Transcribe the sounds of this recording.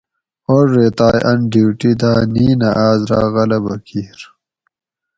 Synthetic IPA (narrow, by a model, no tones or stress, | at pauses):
oɾːet̪aːjʔɐnɖiwʈid̪aːniːnɐʔaːzɾa̰ːɣɐlɐbɐkʰiːɾ